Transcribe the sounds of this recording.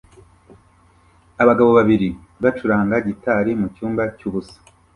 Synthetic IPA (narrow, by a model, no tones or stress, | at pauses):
aβaɡaβo̞βaβiɾi | βat͡ʃuɾaːŋɡaɟitaɾimucuːmbacuːβusḁ